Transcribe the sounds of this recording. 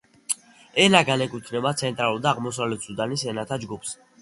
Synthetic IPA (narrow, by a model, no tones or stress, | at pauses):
ɛlaɡanɛkʼut̪ʰnɛbat̪sʰɛnt̪ʼɾaluɾˠd̪aːʁmɔs̬avlɛt̪sʰud̪anisɛnat̪ʰad͡ʒɡupʰs